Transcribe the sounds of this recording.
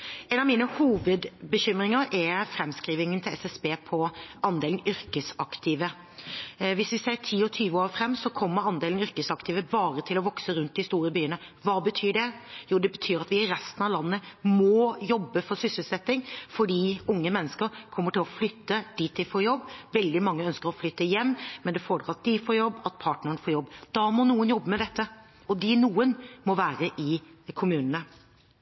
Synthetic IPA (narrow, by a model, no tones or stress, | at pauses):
ɛnɑʋmiːnəhuːʋəd̪bəɕʏmɾɪŋəɾɛɾfɾɛmskɾiːʋɪŋənt̪ʰɪlɛ̰sɛsbeːpʰɔʔɑnd̪eːlnʏɾkəsɑkt̪ʰɪʋə | ʋɪsʋɪseːʈʰiːɔt̪ʰyːʋəoːɾfɾɛmːsɔkʰɔmːəɾɑnd̪eːlnʏɾkəsɑkt̪ɪːʋəbɑːɾət̪ʰɪlɔʋɔksəɾʉnt̪̚d̪ɪst̪uːɾəbyːənə | ʋɑːbət̪ʰyːɖɛjuːd̪ɛbət̪ʰyːɾɑt̪ʋɪɪɾɛst̪nɑʋlɑnːəmɔjɔbːəfɔɾsʏsəlsɛt̪ːɪŋfɔɖiːʊŋːəmɛnːəskəɾkʰɔmːəʈɪlɔflʏt̪ːəd̪̥iːt̪ːɪfɔɾjɔbːʋɛld̪ɪmɑŋːəœnskəɾɔflʏt̪ːəjɛmːmɛnd̪ɛfoːɖɾɑt̪̚d̪ɪfoːɾjɔbːɑt̪̚pʰɑːʈnəəɳəfɔːɾjɔbːd̪̥ɑmɔnuːənjɔbːəmɛd̪ɛt̪ʰːə | ɔd̪ɪnuːənmɔʋæːɾəʔɪkʰʊmʉːnənə